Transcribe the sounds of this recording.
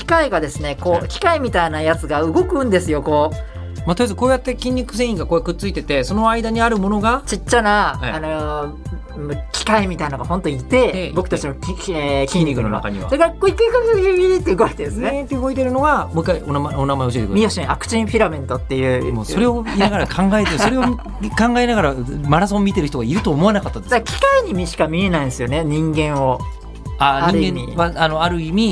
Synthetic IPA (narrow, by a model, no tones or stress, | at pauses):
kʲi̥kaiɡad̪e̞sɨne̞ko̞ːkʲi̥kaimʲit̪ainajat͡sɨɡaɯ̟ɡo̞kɯ̟̃nd̪e̞sɨjo̞ko̞ː | mat̪ojazɨko̞ːjat̪ːe̞kʲĩɲ̟ʲːikɯ̟s̬ẽ̞ɰ̃ĩŋɡakoːjakɯ̟t͡sːɨit̪e̞t̪e̞so̞no̞aid̪aɲ̟iaɾɯ̟mo̞no̞ɡat͡ɕit͡ɕːanaaano | kʲi̥kaimʲit̪ainoɡahõ̞nt̪oit̪e̞bo̞kɯ̥t̪at͡ɕimokʲĩɲːʲikɯnona̰ka̰ɲḭβa̰soɾekakoikːaikakɯɯɡʲiɾit̪ːeɯɡoit̪ed̪esnẽt̪ːeɯ̟ɡo̞it̪̬e̞ɾɯ̟no̞ɡamokːaionmaonamaeoɕiet̪eɯɾmʲio̞ɕĩakɯ̟̥t͡ɕĩɸʲiɾamẽ̞nt̪o̞t̪ːe̞jɯ̟ːmosoɾe̞oiaɡaɾakʰãŋɡaet̪eso̞ɾe̞o | kãŋɡae̞naɣaɾamaɾasõmmʲːit̪eɾi̥t̪o̞ɡaiɾɯ̟t̪oːmo̞anakat̪ːad̪esd̪akʲʰi̥kaiɲimʲiɕi̥kamʲie̞naĩesɨjo̞ne̞ɲ̟ĩŋɡẽ̞ɰ̃o̞ | aɲaĩɾɯɡẽmiaano̞aɾɯ̟imʲi